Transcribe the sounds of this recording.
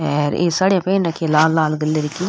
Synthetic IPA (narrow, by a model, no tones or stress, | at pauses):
ɦɛːɾḛːsaːɽejãːpɛːnɾaːkʰːãlaːlːaːlɡəlːeːɾɪkːiː